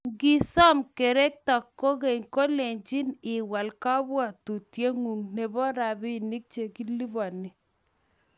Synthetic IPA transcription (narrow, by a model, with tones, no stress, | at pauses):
ŋɡi˦sɔ˦mke˨ɾɛ˦k̚ta˨kːo˦ke˨ŋko˦le˨ɲt͡ʃi˦nɪ˨wa˨lka˦bwa˨tu˨tje˦ŋu˨ŋne˨bɔ˦ɾa˨bi˦ni˦k̚t͡ʃe˨ki˦li˦bɔ˨ni˨